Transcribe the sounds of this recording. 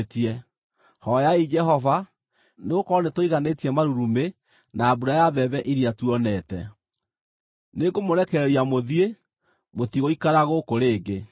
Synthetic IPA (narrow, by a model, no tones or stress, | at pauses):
tiɛ | hɔjaid͡ʒɛɦɔva | neɣokɔnetoiɣanetiɛmaɾuɾume | naːbuɾajaβɛβɛʔiɾiatuɔnɛtɛ | neɡomoɾɛkɛɾɛɾiamoðie | moθiɣoikaɾaɣokoɾeːɡe